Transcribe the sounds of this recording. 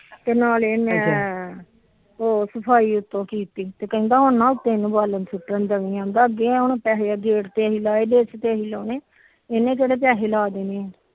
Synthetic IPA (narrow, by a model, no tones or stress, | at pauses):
t̪eːnaːlenẽː | oːsəpʰaːiːʊt̪ːõːkiːt̪iːt̪eːkəɦĩːd̪aːɦʊnnaːʊt̪ːẽːɪnũːbaːlənsɪʈːənd̪əʋiãːnd̪aːəɡeːɛ̃ːɦʊnːpɛːɦead̪eːɽt̪eːəɦiːlaːeːd̪eːst̪eːəɦiːloːneː | enẽːkeːɽeːp̬jaːɦeːlaːd̪eːneːɛ̃ː